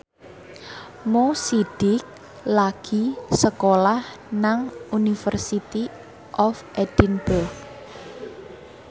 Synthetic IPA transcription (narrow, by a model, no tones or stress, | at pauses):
mosiɖ̥ɪk̚ | laɡ̥i̤səkolah | naŋunifərsit̪i | ʔɔfʔed̥inbʊrɡ